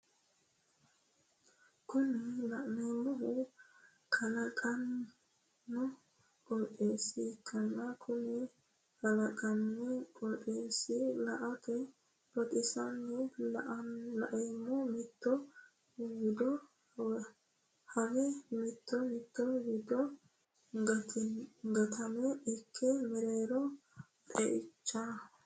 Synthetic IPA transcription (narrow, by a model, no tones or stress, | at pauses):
kʊnɪlɐʔnɛmːɔɦʊ | kʰʼɐlɐkʼɐnː | ʊ | kʼɔlpʼeːsɪkːɐnːɐkʰʊnɛ | hɐlɐkʼɐnːɛkʼɔlpʼeːsɪlɐʔɐt̪ɛ | bɔt̪ʼɪsɐnːɛlɐʔɐlɐʔɛmːɔmɪt̪ːɔ | wɪd̪ɔ | hɐɡɛmɪt̪ːɔmɪt̪ːɔwɪd̪ɔ | ɡɐ | ɡɐt̪ʰɐmɛɪkʰːɛmɛɾejɾɔ | t̪ʼɛʔɪt͡ʃːa